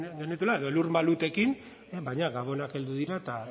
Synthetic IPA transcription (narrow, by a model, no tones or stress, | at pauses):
ɡenet̪ulae̞ðo̞eluɾmalut̪e̞kin | eβajɲaɣaβo̞nake̞ld̪uðiɾat̪a